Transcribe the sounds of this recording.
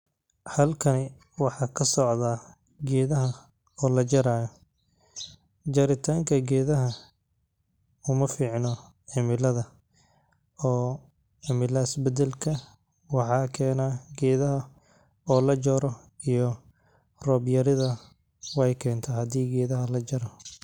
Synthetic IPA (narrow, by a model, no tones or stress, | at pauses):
hɐlkʰɐnɪ | wɑħɑːkʰɐsɔʕðaː | ɡɛːðɐɦɐ | ɔːlɐd͡ʒɐɾaːjɔ | d͡ʒɐɾɪt̪ʰaːŋkʰɐɡɛːðɐɦɐ | ʊmɐfiːʕnɔ | ʕɪmɪlɐðɐ | ɔː | ʕɪmɪlɐɪsbɛd̪ɛlkʰɐ | wɑħɑːkʰɛːnaːɡɛːðɐɦɐ | ɔːlɐd͡ʒɔːɾɔ | ijɔ | rɔːbjɐɾɪðɐ | wɛjkʰɛːnt̪ʰaːhɐd̪iːɡɛːðɐɦɐlɐd͡ʒɐɾɔ